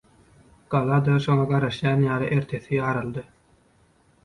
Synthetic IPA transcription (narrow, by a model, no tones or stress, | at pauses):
ɡ̥ɑlˠɑd̪ɑʃo̞ŋɑɡɑɾɑʃjɑːnjɑːlˠɯʔe̞ɾt̪ʰe̞θijɑːɾɑlˠd̪ɯ